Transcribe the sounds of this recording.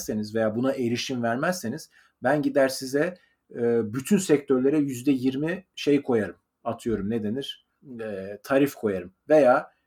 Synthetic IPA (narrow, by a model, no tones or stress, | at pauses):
se̞nizve̞jaːbunaʔe̞ɾiʃimvæɾmæzse̞niz̥ | bænɟid̪æɾsizɛ | byt̪ʰynsɛc̚t̪ʰø̞ɾlʲe̞ɾɛjyzd̪ɛjiɾmiʃe̞jkʰo̞jaɾɯm | at̪ʰɯjo̞ɾumne̞d̪e̞niɾ̥ | ɛt̪ʰaɾifkʰo̞jaɾɯmve̞jaː